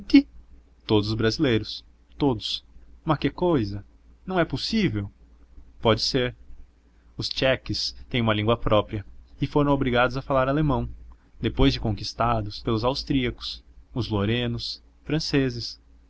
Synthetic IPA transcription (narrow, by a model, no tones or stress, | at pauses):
kɪ | t̪od̪ʊzʊzbɾazilejɾʊs | t̪od̪ʊsmɐkɪkojzɐ | nɐ̃w̃ɛposivew | pɔd͡ʒɪseɾ | ʊst͡ʃɛkɪst̪ẽj̃ũmɐlĩŋɡwɐpɾɔpɾiɐɪfoɾɐ̃w̃obɾiɡad̪ʊzɐfalaɾalemɐ̃w̃ | d̪epojzd͡ʒɪkõkist̪ad̪ʊspelʊzawst̪ɾiɐkʊ̥sʊzloɾẽnʊs | fɾɐ̃sezɪs